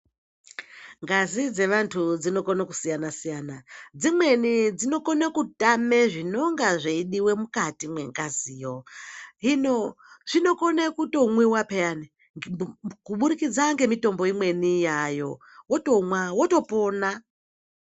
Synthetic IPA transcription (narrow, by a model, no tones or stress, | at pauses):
ŋɡazid͡ze̞ʋantʰud͡zino̞konakusijanasijaːnad͡zimwe̞nid͡zino̞konekutame̞ʐino̞ŋɡaʐeiɗiwe̞mukatimwe̞̰ŋɡaziːjoɦino̞ʐ̥ino̞ko̞nekuto̞mwiwapejane | kuɓuɾikid͡zaŋɡe̞mito̞mbo̞imwe̞nijajo̞ | woto̞mwawoto̞po̞na